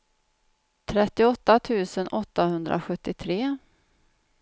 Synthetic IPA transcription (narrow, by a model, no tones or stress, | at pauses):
t̪ʰɾɛt̪ːɪɔt̪ːat̪ʰʉ̟ːsənʔɔt̪ːahɵnd̪ɾʔa̰ɧɵt̪ːɪt̪ʰɾeː